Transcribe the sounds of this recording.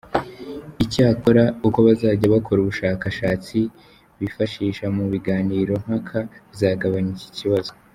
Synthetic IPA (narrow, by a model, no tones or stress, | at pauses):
icaːko̞ɾauko̞βazaːɟaβakʰo̞ɾuβuʃaːkaʃaːt͡si | βifaʃiːʃamuβiɡaːniːɾo̞ŋ̥hakʰaβzaːɡaβaɲici̥ciβazo